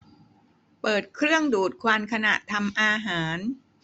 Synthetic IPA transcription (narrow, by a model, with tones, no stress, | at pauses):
pɤː˨˩t̪̚kʰɾɯ˥˩əŋduː˨˩t̪̚kʰwaː˧nkʰa˧na˨˩ʔt̪ʰa˧mʔaː˧ɦaː˩˦n